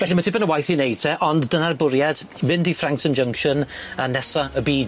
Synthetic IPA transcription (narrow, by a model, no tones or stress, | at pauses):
vɛɬimatʰibənəwajθinejd̥̚tʰɛʔɔndːənarbʊɾjad̥ | vɪndifraŋk̚tʰənd͡ʒəŋkʃɔnənɛsaəbiːd